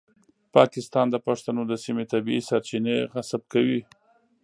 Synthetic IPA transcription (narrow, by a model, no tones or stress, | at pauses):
pɑkɪst̪ɑnd̪əpaʂt̪anod̪əsimet̪abiisaɾt͡ʃineɣasab̚kawi